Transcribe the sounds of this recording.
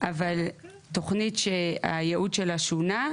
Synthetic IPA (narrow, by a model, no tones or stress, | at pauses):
ʔaval | to̞χnitʃea̰jeʔudʃelaʃuna